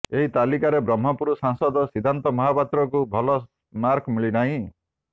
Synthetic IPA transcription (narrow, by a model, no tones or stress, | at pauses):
eɦit̪alikaɾebɾɔm̤ːɔpuɾusaŋsɔd̪ɔsid̪ʱant̪ɔmɔɦapat̪ɾɔkubʱɔlɔ | maɾkʰmiɭinaɦĩ